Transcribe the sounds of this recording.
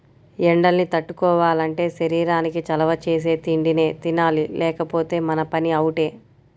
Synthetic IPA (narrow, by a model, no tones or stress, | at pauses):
ɛɳɖɐlnit̪ɐʈːukɔːʋaːlɐɳʈe̞ːʃɐɾiːɾaːnikit͡ʃɐlɐʋɐt͡ʃe̞ːs̬e̞ːt̪iɳɖine̞ːt̪inaːlilɛːkɐpo̞ːt̪e̞ːmɐnɐpɐniɐwuʈe̞ː